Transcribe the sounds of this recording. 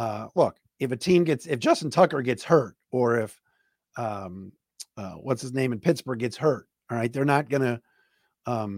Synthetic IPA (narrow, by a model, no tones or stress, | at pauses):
ʌlʊk | ɨfɨtʰĩmɡɛtsɨfd̥ʒ̥ʌsn̩tʰʌkə˞ɡɛtshɜ˞t̚ | ə˞ɪf | ʌ̃m | ʌ̰wʌtsɨznẽɪ̃mɨ̃n̩pʰɪtsb̥ə˞ɡɛtshɜ˞t̚ | ɹaɪt̪̚ðə˞nət̚ɡ̥ʌñɨ | ʌ̃m